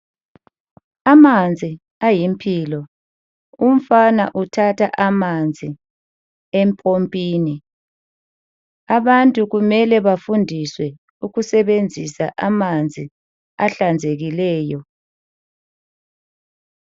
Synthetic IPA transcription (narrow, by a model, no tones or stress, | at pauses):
amand͡zʱi | ajimpʰiːlɔ | um̩fanaʔutʰatʰaʔamand͡zʱi | empʼʰompʼiːni | aβantʼuɣumɛlɛβafundʱiswɛ | uɣusɛβend͡zʱisa̰ʔamand͡zʱi | aɬand͡zʱeɣilɛːjɔ